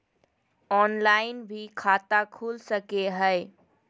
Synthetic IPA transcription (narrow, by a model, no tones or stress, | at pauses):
ɔnlaɪnbʱikʰat̪akʰuːlsəkeɦəɪ